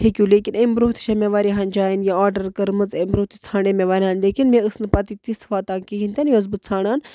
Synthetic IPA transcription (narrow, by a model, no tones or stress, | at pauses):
hekʲuːleːkinembɾoːt̪i̥ʃɐmʲeʋaːɾiɦaːnd͡ʒaːjinjaaːɾɖɐɾkɐɾmɨzembɾoːt̪it͡sʰaːɳemeʋaːɾʲiaːnleːkinmẽɨsnɨpɐt̪it̪isfaːt̪aːnkiɦint̪ʲanjoːzbɨt͡sʰaːɳaːn